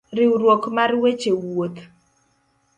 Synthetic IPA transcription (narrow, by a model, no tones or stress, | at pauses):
ɾɪɾwokmaɾwet͡ʃewot̪